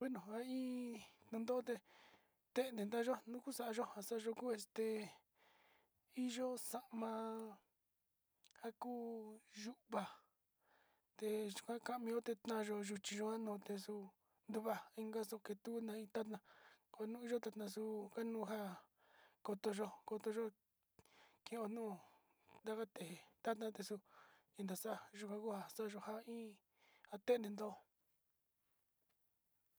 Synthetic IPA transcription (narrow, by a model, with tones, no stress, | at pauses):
we˦nõ˨a˦ĩː˦t̪ã˧nd̪o˦o˦t̪e˧ | t̪e˦nd̪ẽ˨nd̪a˦ʒo˦nũ˦ku˦sa˧˨a˧ʒo˦ha˧sa˦˧ʒo˧ku˦e˧st̪e˧˨ | i˦ʒo˦sa˧ʔmã˧ | ha˦kuː˦ʒu˦ʔβa˧ | t̪e˧ʒu̥˧kʷã˦ka˧ʔmĩ˧˦o˦t̪e˧t̪nã˧ʒo˧ʒu˧t͡ʃĩ˧ʒo˧a˦nõː˨˧t̪e˧su˧ | nd̪u˧βa˧i˦ŋɡa˦so˧ke˧t̪u˦nã˧ĩ˧t̪a˦t̪nã˧ko˧a˧nũː˦i˦ʒo˦t̪a˧t̪nã˧su˧ka˦nũː˦˧ɦa˦ | ko˧t̪o˧ʒo˧ko˧t̪o˧ʒo˦ | kĩ˧˨õ˧nũː˦˧˨ | nd̪a˦ka˦t̪e˨e˨t̪a˦t̪nã˧t̪e˧su˧ĩ˧nd̪a˨sa˦˧ʒu˧kʷã˧ku˦ha˧sa˦˧ʒo˧ha˦ĩː˦ | a˧t̪e˦˧nẽ˧nd̪o˦